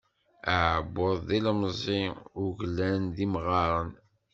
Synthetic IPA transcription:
əʕbːʊðˤðilmzˤiʊʝlːænðimʁɑɾˤən

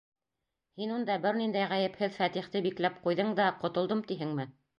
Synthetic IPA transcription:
hinund̪ɑbɘɾnind̪æjʁæjɘ̆phɘðfæt̪iχt̪ɘbiklæp̚qujðɤɴd̪ɑqŏt̪ŏlˠd̪ɤmt̪iɦɘŋmɘ

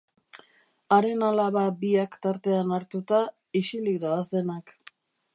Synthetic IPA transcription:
aɾe̞nalaβabiakt̪aɾt̪e̞anaɾt̪ut̪a | isilikd̪aazd̪e̞nak

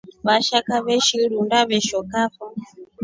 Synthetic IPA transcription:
βaʃakaβɛʃiɺundaβɛʃɔkaɸa

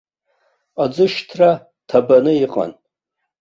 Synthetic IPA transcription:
ad͡zɨʃtʰra | tʰabanɨiqʼa̰n

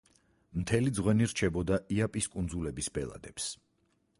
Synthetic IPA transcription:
mt̪ʰɛlid̪zʁwɛniɾt͡ʃʰɛbɔd̪aiapʼiskʼund̪zulɛbisbɛ̰lˠa̰d̪ɛps

